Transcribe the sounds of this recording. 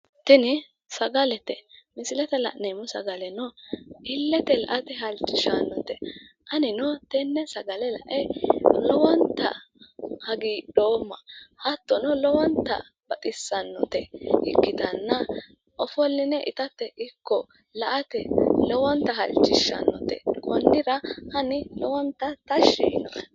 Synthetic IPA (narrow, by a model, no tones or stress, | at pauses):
t̪ɛnɪ | sɐɡɐlɛt̪ɛmɪsɪlɛt̪ɛlɐ̰ʔnɛmʊsɐ̰ɡɐlɛnɔɪlːɛt̪ɛlɐ̰ʔɐt̪ɛɦɐlt͡ʃːɪʃanːɔt̪ɛ | ʔɐnɪnɔt̪ɛnːɛsɐɡɐlɛlɐ̰ʔɛlɔwɐnt̪ːɐ̰ | hɐɡiːɗoːmːɐhɐt̪ːɔnɔlɔwɐnt̪ɐ̰ | b̥ɐt̪ʼɪsːɐnːɔt̪ɛʔɪkːɪd̪ɐnːɐ | ʔɔfɔlːɪnɛʔɪt̪ɐt̪ːɛʔɪkːɔ | lɐʔɐt̪ɛlɔwɐnt̪ɐɦɐlt͡ʃʼːɪʃːɐ̰nːɔ̰t̪ɛ̰kʼɔnːɪɾɐhɐnɪlɔwɐnt̪ːɐt̪ɐʃinɔʔ